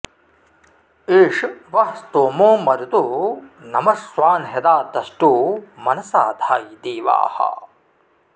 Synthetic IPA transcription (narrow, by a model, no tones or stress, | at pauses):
eːʂʋɐɦst̪oːmoːmɐɾut̪onɐmɐsʋaːnɦed̪aːd̪ɐsʈuːmɐnɐsaːd̪ʱaːjd̪eːʋa̰ːhɐ̰